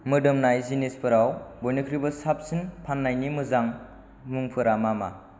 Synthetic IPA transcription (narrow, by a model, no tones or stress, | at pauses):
mɯdɯmnajzinispʰɯɾawbɔjnɯkʰɾibɯsap̚sɯnpʰanːajnimɯzaŋ | muŋpʰɯɾamama̰